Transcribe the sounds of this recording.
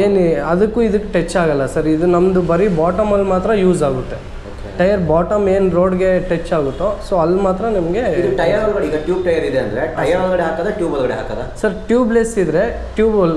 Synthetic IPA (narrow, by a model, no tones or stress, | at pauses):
eːnɐd̪ɐkːuːid̪ukːe̥ʈet͡ʃːaːɡɐlːɐsɐɾid̪unɐmd̪ubɐɾibaːʈɐmɐlːmaːt̪ɾɐjuːzaːɡut̪ːe | okeʈɐjɐɾbaːʈɐmeːnɾoːɖɡe̞ʈet͡ʃːaːɡut̪ːosoːɐlːmaːt̪ɾɐnimɐɡe̞iduʈɐjɐɾɐlɡɐɽiːɡɐʈjuːb̚ʈɐjɐɾid̪eɐnd̪ɐɾeʈɐjɐɾɐlɡɐɽeɦaːkaːd̪ɐʈjuːbɐlɡɐɽeɦa̰ːka̰ːd̪ɐsɐɾʈjuːblesid̪ɾe̞ | ʈjuːbɐl